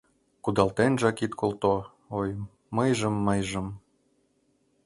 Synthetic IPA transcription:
kud̪ɑlt̪enʒɑkit̪kʰolt̪o | oj | mɤjʒɤ̆mːɤjʒɤ̆m

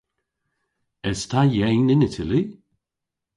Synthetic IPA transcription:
ɛstʰajɛjnɪnɪtʰɪli

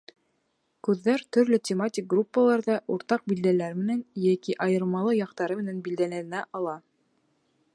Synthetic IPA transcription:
kʉðːæɾt̪ɵ̆ɾlɵtʲɪmatʲɪk̚ɡrupːəlˠɑɾðɑʔuɾt̪ɑq̚bild̪ælæɾmɘ̆nænjækiʔɑjɤ̆ɾmɑlˠɤjɑqt̪ɑɾɤmɘ̆nænbild̪ælæɘ̆næʔɑlˠɑ

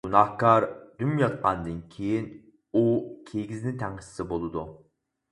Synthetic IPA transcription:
ɡ̥unɑhkɑɾd̪ymjɑt̪̚qɑnd̪ɨnkʲʰejin | ukʲʰeɡʲiznɪt̪ʰæŋəsɪ̥sɪbolˠɨd̪u

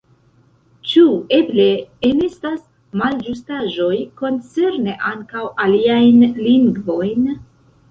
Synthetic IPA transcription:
t͡ʃue̞ble̞ːnestas | mald͡ʒustaʒo̞jko̞nt͡se̞ɾne̞ʔaŋkawʔaliajnliŋɡvo̞jn

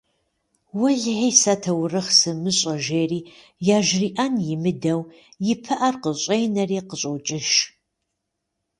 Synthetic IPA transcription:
wʊɮħeːsɐtʰɐwrɨχsɨmɨɕʼɐʒeːriː | jaːʒriːʔanjɪmɨdɐw | jɪpʰɨʔɐrqəɕʼejnɐriːqəɕʼowt͡ʃʼɪʃ

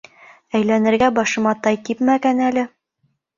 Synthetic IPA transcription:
æjlænɘ̆ɾɡæbɒʃɤ̆mɑt̪ɑjkipmæɡænælɘ

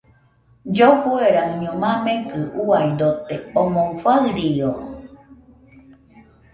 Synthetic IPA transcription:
d͡ʒofueɾaɲõmãmẽkɨʔuaid̪ot̪eomoŋfaɨɾio

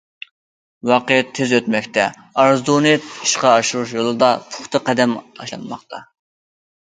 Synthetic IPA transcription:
wɑqijɛt̪ʰːezøt̪mɛkʲt̪ɛ | ɑɾzd̪onɨt̪i̥ʃqɑːʃuɾuʃjolˠɨd̪ɑpʰʊ̥χt̪ʰɨqɛd̪ɛmɑ̰ʃlˠɑ̰nmɑ̰χt̪ʰɑ

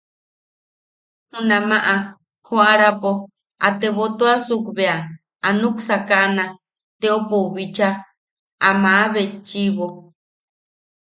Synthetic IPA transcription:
hũnãmãʔa | hoaɾapo | at̪eβot̪oasukβea | anũksakaʔnã | t̪eopoβit͡ʃa | amãaβet͡ʃiβo

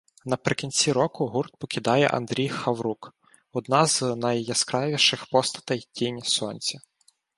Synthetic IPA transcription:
nɐpɾɪkʲinʲt͡sʲiɾɔkʊɦurt̪̚pɔkʲid̪ɑjɛ̰ʔɐ̰nd̪ɾʲijxɐwɾuk | ɔd̪nɑznɐjːɐskɾɑʋʲiʃɪxpɔst̪ɐ̥t̪ɐjtʲinʲsɔnʲt͡sʲɐ

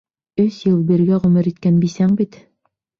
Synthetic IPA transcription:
ɵsjɤlˠbiɾɡæʁɵmɘɾit̪kænbisæŋbit̪

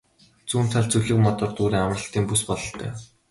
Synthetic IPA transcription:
t͡suːn̥t̪ʰaɮt͡sɵɮɘ̆kmɔt̪ɞ̆rt̪uːɾiːŋamə̆rə̆ɬt̪iːmpuspɔɮɞ̆ɬt̪œ̰ː

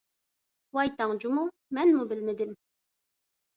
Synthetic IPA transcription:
wɑjt̪ɑŋd͡ʒumu | mɛnmubɪlmɪd̪ɪm

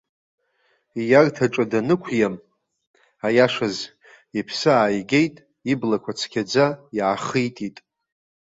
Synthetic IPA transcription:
ijartʰaʈ͡ʂʷʼadanɨkʷʰjam | ajaʂaz | ipʰsɨaːjɡʲe̞jtʼ | iblakʷʰat͡sʰkʲʰad͡zajʕaχijtʼitʼ

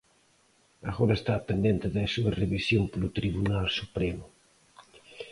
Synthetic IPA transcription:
aɣoɾɐest̪apend̪ent̪ɪðesuɐreβisjompolʊt̪ɾiβunalsupɾemʊ

